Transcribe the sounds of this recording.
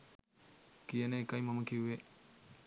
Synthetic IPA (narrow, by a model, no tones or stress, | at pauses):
kienekajmɐmɐkʰiuwe